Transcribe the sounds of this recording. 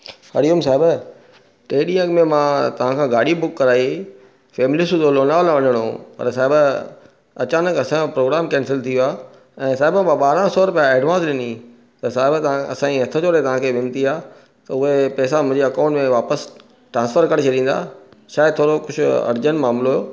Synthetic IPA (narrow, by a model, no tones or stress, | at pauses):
ɐɽiəmsaːɦɪb | ʈeːɗiə̃ɡmẽmãːt̪ɐʋ̤ãkʰãːɡaːɽibʊkːɐɾaːi | fɛːmɪlisʊd̪oloːnaːʋlaʋɐɲəɽ̃o̰pɐ̰ɾsaːɪb | ɐt͡ɕaːnəkɐsãõpɾoːɡɾaːmkɛ̃ːnsɪlt̪ʰijoaː | ɛ̃ːsaːɦɪbəmãɓaːɾãsɔːɾʊpjaeːɖʋãːnsɗɪni | t̪ɐsaːɦɪbt̪ɐãɐ̰sãːĩɦɐt̪ʰət͡ɕoːɾet̪ɐʋ̤ãkʰeːʋɪ̃nt̪iaː | t̪ɐʊɦepɛːsamʊ̃d͡ʑeɐkãːɳʈmẽʋaːpəs | ʈɾãːnsfəɾkɐɽ̃t͡ɕʰɐd̪ĩːnd̪a̰ːʃaːɪd̪̚t̪ʰoːɾokʊd͡ʑʰʊɐ̰ɾd͡ʑənmaːmloɦjoː